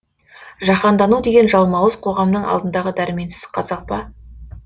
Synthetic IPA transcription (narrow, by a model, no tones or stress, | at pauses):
ʒɑqɑnd̪ɑnud̪e̞ɡʲenʒɑlˠmɑwəzqʰo̞ʁɑmnəɴɑ̰lˠd̪ənd̪ɑʁəd̪æɾɪme̞nsɪ̥z̥qʰɑzɑq̚pɑ